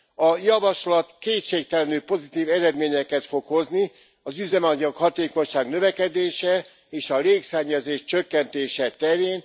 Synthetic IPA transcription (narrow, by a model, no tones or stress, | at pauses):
ɒjɒvɒʃlɒt̪keːt̪ʃeːk̚t̪ɛlɛnyːpo̞zit̪iːvɛɾɛd̪meːɲɛkɛt̪fo̞kho̞zni | ɒzyzɛmɒɲɒkhɒt̪eːko̞ɲʃaːɡnøvɛkɛd̪eːʃɛ | eːʃɒleːksɛɲːɛzeːʃt͡ʃøkːɛnt̪eːʃɛt̪ɛɾeːn